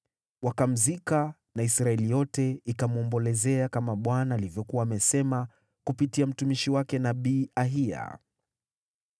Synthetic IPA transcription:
wakam̩zika | naisɾaɛlijɔtɛikamuɔmbɔlɛzɛakamaɓwanaːlivjɔkuaːmɛsɛma | kupitiam̩tumiʃiwakɛnaɓiːaɦia̰

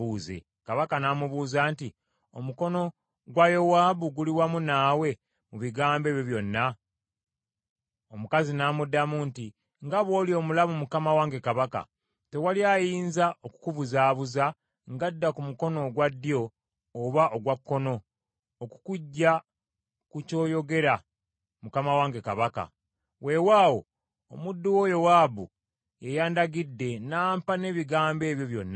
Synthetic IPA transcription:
uːzḛ | kaβakanaːmuβuːzaːnti | o̞muko̞no̞ | ɡwajo̞waːβuɡuliwamunaːwe̞ | muβiɡaːmbe̞ːβjoβjo̞nːa | omukazinaːmudːamunti | ŋɡaβwo̞ːlio̞mulaβumukamawaːŋɡe̞kaβaka̰ | te̞waljajiːnzaʔoku̥kuβuzaːβuza | ŋɡadːakumuko̞no̞ɡwadːjo̞ː | βaʔoɡwakːo̞no̞ː | ku̥kuɟːa | kuco̞ːjo̞ɡe̞ɾa | mukamawaːŋɡe̞kaβaka̰ | we̞waːwo̞ | o̰mudːuwojo̞waːbu | jejaːndaɡidːe̞naːmpane̞ːβiɡaːmbe̞ːβjo̞βjo̞̰nːa

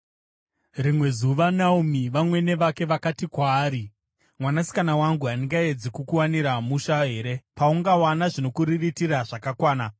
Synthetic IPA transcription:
rimwe̞zuʋanaumiʋamwe̞ne̞ʋake̞ʋakatikwaːɾi | mwanasi̥kanawaŋɡuɦaniŋɡaed͡zikukuwaniɾamuʃaɦe̞ːɾe̞pauŋɡawanaʐino̞kuɾiritiɾaʐakakwaːna

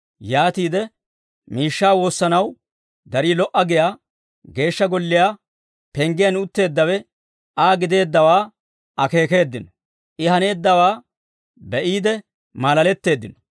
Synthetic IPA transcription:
jaːt̪iːd̪ɛ | miːʃːaːwo̞ːsːɐnɐw | d̪ɐɾiːlɔʔːɐɡɪjaː | ɡe̞ːʃːɐɡɔlːɪjaː | pɛŋɡɪjɐnʊt̪ːe̞ːd̪ːɐwɛ | ʔaːɡɪd̪e̞ːd̪ːɐwaː | ɐke̞ːke̞ːd̪ːɪnɔ | ʔɪhɐne̞ːd̪ːɐwaː | bɛʔiːd̪ɛ | malɐlɛt̪ːe̞ːd̪ːɪnɔ̥

